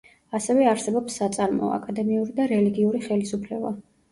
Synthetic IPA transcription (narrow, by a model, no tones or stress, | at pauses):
asɛvɛaɾsɛbɔpsːat̪sʼaɾmɔ̰a̰kʼad̪ɛmiuɾid̪aɾɛliɡiuɾiχɛlisupʰlɛba̰